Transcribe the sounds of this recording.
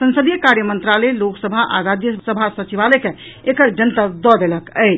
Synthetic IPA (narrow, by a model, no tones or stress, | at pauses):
sə̃nsəd̪ijəkaɾjəmənt̪ɾalɛloksəbʱaʔa̰ɾad͡ʒjəsəbʱasət͡ʃiβalɛke | ekəɾd͡ʒənt̪əɾd̪ɔd̪eləkət͡ʃ